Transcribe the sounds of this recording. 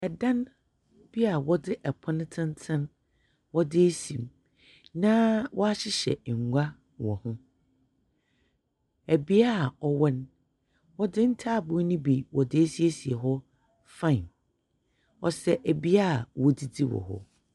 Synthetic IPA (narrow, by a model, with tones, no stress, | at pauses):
ɛ˨dã˦n˦ | b̥i˦a˨wɔ˦dɪ˦ʔɛ˨pʰɔ̃˦nɪ̃˦tʰɪ̃˦n˦tʰɪ̃˦n | wɔ˦dɪ˦æ˦sĩ˨m | nã˦wɔ˦a˦ɕɪ˦ɕɛ̰˨ŋ̩˨ɡʷa˦ | wɔ˨hʊ̃˦ | æ˨bi˦a˦˨ɔ˨wɛ˦n | wɔ˦dɪ˦n̩˦tʰaː˦˨bʊ˦nĩ˦bi˨wɔ˨dɪ˦æ˦si˦e˦si˨ɛ˨ɦɔ˦ | fã˦˨n | ɔ̰˨sɛ˦ʔæ˨bi˦a˦˨wɔ˦di˦di˦wɔ̰˨ɦɔ̰˦